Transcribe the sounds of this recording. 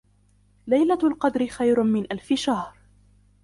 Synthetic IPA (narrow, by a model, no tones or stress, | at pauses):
lajlalqɑd̪ɾɪxajɾʊmɪnʔalfɪʃahɾ